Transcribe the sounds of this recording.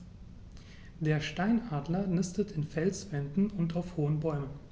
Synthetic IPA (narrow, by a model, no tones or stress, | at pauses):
deːɐʃtaɪnaːdlɐnɪstətɪnfɛlsv̥ɛndn̩ʊntaʊfhoːənbɔʏmən